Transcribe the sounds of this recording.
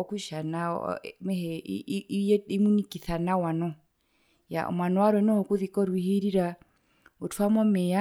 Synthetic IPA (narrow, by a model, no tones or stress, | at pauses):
ɔkuʃanamɛhɛ | imunikiθanawanɔ | ja̰ʔɔ̰mwanɔwaɾwɛnɔhɔkuðikɔɾwihiɾiɾa | otʰwamɔmɛa